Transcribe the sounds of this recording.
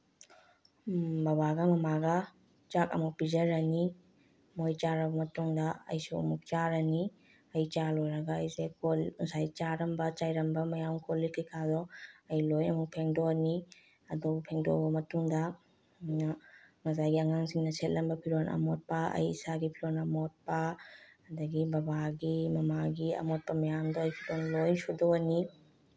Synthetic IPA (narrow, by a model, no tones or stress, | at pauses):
bɐbaɡɐmɐmaɡɐ | t͡ʃakɐ̰muk̚pizɐɾɐni | mojt͡ʃaɾɐbɐmɐtuŋdɐɐ̰jsuɐ̰muk̚t͡ʃaɾɐni | ɐjt͡ʃalojɾɐɡɐːjzekolusajt͡ʃaɾɐmbɐt͡ʃajɾɐmbɐmɐjamkʰolikʰikʰazɔɐjlojɐmuk̚pʰeŋdoni | ɐdɔbpʰeŋdo̰bɐmɐtuŋdɐ | mjnɐ | ŋɐzajɡiɐŋaŋsiŋnɐsetlɐmbɐpʰiɾonʔɐ̰mɔt̚paɐ̰jḭsaɡipʰiɾonɐmɔt̚pɐɐdɐɡibɐbaɡimɐmaɡiɐ̰mɔt̚pɐmɐjamdɔɐjpʰidonlojnsudɔɐni